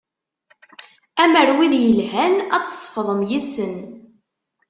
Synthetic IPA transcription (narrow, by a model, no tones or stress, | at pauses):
æməɾwiðjəlɦænæt͡ssˤːfðˤəmjisən